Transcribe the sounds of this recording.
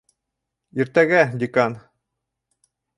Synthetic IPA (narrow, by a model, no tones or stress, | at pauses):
iɾt̪æɡæd̪ʲikɑn